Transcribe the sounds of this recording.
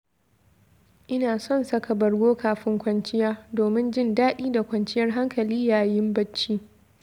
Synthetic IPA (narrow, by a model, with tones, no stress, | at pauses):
ʔɪ˦naː˨sɔ˦nsɐ˦ka˨bɐ˨rɡʷoː˦kʰaː˨ɸɪ˦ŋkʷɐ˦nt͡ʃɪ˦jaː˦doː˨mɪ˦nd͡ʒɪ˦ndaː˦ɗiː˦da˨kʷɐ˨nt͡ʃɪ˦jɐ˦rɦa˦ŋkɐ˨liː˦jaː˨jɪ˦mbɐ˦t͡ʃːiː˦